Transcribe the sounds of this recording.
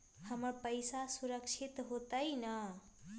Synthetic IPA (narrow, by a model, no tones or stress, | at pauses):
həməɾpəjsasuɾəkt͡ʃʰit̪ɦot̪əjnʌ